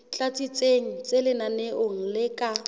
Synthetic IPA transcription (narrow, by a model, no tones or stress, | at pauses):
t͡ɬat͡sʼit͡sʼeŋ̩t͡selɪnaneʔʊŋ̩lɪkʼa